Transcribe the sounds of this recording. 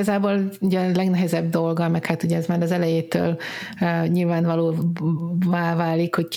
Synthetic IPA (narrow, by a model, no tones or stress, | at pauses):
ɒzaːboːluɟɛlɛɡnɛɦɛzɛbd̪o̞lɡɒmɛkhaːt̪uɟɛɛzmaːɾɒzɛlɛjeːt̪ø̰ːlː | ɲilvaːnvɒloː | vaːvaːlikho̞ck